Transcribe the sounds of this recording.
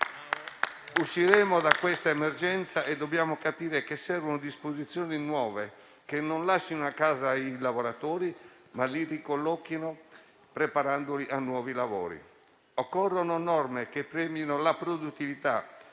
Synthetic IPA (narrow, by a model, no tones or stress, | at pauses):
uʃːiɾɛːmod̪akwest̪aemerd͡ʒɛnt̪saʔɛd̪ːobːjaːmokapiːɾekesːɛɾvonod̪ispozit̪sːjɔːninwɔːve | kenːonlaʃːinoakːaːzailavoɾat̪oːɾi | malirikolːɔkːino | pɾepaɾand̪oliʔanːwɔːvilavo̰ːɾḭ | ɔkːɔrːononɔrmekepːɾɛːmjinolapɾod̪ut̪ːivit̪a